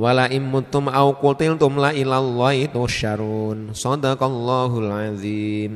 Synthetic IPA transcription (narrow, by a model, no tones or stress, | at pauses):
walaʔɪnmʊt̪ʊmʔawkut̪ɪlt̪ʊmlaʔilalːɔhit̪ʊʃaɾunsɑd̪akalːɑɦulʕazim